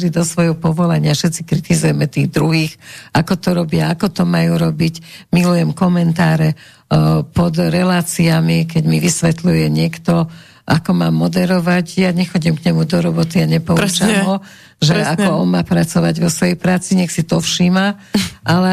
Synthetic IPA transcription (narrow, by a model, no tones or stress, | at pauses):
ɾid̪ɔsʋɔjɦɔpɔʋɔlaɲɪafʃɛt̪t͡si̥kɾit̪izujɛmɛt̪iːɣd̪ɾuɦiːxakɔt̪ɔɾɔbɪaakɔt̪ɔmajuɾɔbicmilujɛmkɔmɛnt̪aːɾɛ | pɔd̪ɾɛlaːt͡siamikɛɟmiʋisʋɛt̪lujɛɲɪɛkt̪ɔ | ʔakɔmaːmːɔd̪ɛɾɔʋaɟjaɲɛxɔɟimkɲɛmud̪ɔɾɔbɔt̪iaɲɛpɔt͡ʃamɦɔ | ʒɛakɔɔnmaːpɾat͡sɔʋaɟʋɔsʋɔjɛjpɾaːt͡siɲɛxsit̪ɔfʃimaʔalɛ